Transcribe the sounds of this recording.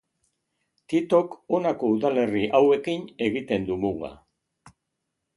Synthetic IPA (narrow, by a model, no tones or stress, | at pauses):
t̪it̪o̞ko̞nako̞uðale̞riʔawe̞kine̞ɣit̪e̞nd̪umuɣa̰